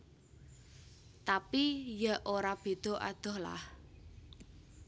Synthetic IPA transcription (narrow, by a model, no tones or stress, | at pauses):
t̪apijaʔoɾab̥e̤d̪̥o̤ʔa̰d̪̥ɔ̤hla̰h